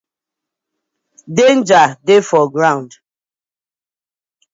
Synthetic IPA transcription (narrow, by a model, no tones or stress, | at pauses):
dend͡ʒadefɔɡɾaʊ̃nd